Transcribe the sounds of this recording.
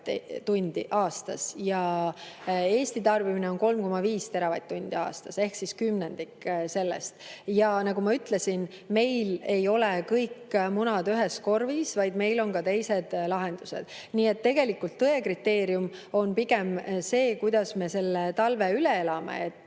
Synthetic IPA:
t̪unʲd̪̥ḭʔɑːst̪ɑ̰sjɑ | e̞ːst̪it̪ɑrb̥imineo̞nko̞lmko̞mɑviːst̪e̞ɾɑvɑ̰jd̪̚tːunʲd̪̥iɑ̰ːst̪ɑse̞hksiskymne̞nd̪̥ikse̞lːḛst̪jɑnɑɡumɑyt̪ːle̞sin | me̞jle̞jo̞lekɤjkːmunɑd̪yɦe̞sko̞rvisvɑjd̪̥me̞jlo̞nkɑt̪e̞jse̞d̪̥lɑɦe̞nd̪̥use̞̰d̪̥ | niːe̞t̪ːe̞ɡ̥e̞likːˑult̪ːɤekrit̪ːe̞ːɾjumo̞npiɡ̥emse̞ːkujd̪̥ɑsme̞se̞lːet̪ɑlve̞yleelɑmḛet̪ːˑ

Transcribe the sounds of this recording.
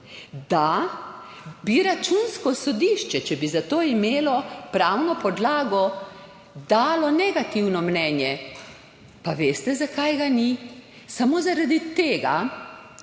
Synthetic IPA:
d̪a | biɾat͡ʃunskɔsɔd̪iːʃt͡ʃɛt͡ʃɛbizat̪oːimeːlɔpɾawnɔpɔd̪laːɡɔ | d̪aːlɔnɛɡat̪iwnɔmnɛːnjɛ | paʋest̪ɛzakajɡani | samozaɾad̪it̪eːɡa̰

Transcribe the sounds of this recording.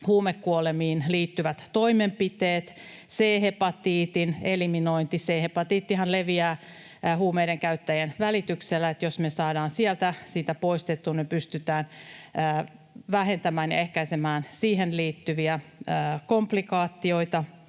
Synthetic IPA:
huːmekːuolemiːnliːt̪ːyʋæt̪to̞imempit̪eːt̪seːɦepɑt̪iːt̪ineliminoint̪iseːhepɑt̪iːt̪ːiɦɑnleʋiæː | huːmeideŋkæyt̪ːæjænʋælit̪ykselːæet̪josmesɑːdɑːnsiælt̪æsiːt̪æpoist̪et̪ːunipyst̪yt̪æːnː | ʋæɦent̪æmæːnjɑ̰ehkæisemæːnsiːɦenliːt̪ːyʋiæːkomplikɑːt̪ːio̞it̪ɑ

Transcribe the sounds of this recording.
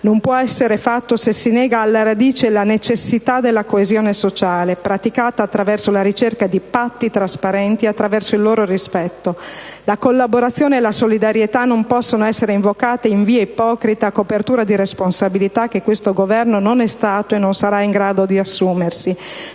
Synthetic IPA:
nompwɔɛsːeɾefat̪ːosesːinɛːɡaːlːaɾad̪iːt͡ʃelanet͡ʃesːit̪ad̪elːakoezjoːnesot͡ʃaːlepɾat̪ikaːt̪aːt̪ːɾavɛrsolaɾit͡ʃerkad̪ipat̪ːit̪ɾaspaɾɛnt̪iat̪ːɾavɛrsoilːoːɾorispɛt̪ːolakolːaboɾat̪sːjoːneːlasolid̪aɾjet̪anompɔsːonoɛsːeɾeiɱvokaːt̪eiɱviːeipɔːkɾit̪aːkːopert̪uːɾad̪iɾesponsabilit̪akːekːwest̪oɡovɛrnononɛst̪aːt̪oenːonsaɾaiŋɡɾaːd̪od̪iasːuːmersi

